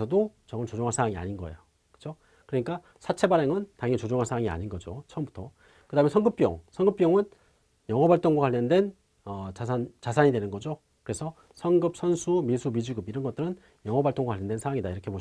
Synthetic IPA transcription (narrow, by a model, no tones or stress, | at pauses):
sʰʌdot͡ɕʌŋɯɭt͡ɕod͡ʑoŋɦansʰaaŋia̰ɲinɡʌḛjo | kɯ̥d͡ʑo | kɯɾʌɲik͈a | sʰat͡ɕʰe̞baɾeŋɯntaŋet͡ɕod͡ʑoŋɦaɭsʰaaŋia̰ɲinɡʌd͡ʑot͡ɕʰʌʌmbutʰʌ | kɯdaɦɯmensʰʌŋɡɯp̚p͈jʌ̰ŋsʰʌŋɡɯp̚jʌŋɯn | jʌŋɦʌbaɭt͈oŋɡwakaʎːjːʌndwe̞n | ʌt͡ɕasant͡ɕasʰaɲidwe̞nɯnɡʌd͡ʑo | kɯɾe̞sʰʌ | sʰʌŋɡɯp̚sʰʌnsʰumisʰumid͡ʑuɡɯbiɾʌnɡʌt͈ɯɾɯn | jʌŋɦʌbaɭt͈oŋɡwakwaʎjʌndwensʰaaŋidaiɾʌkʰeboɕ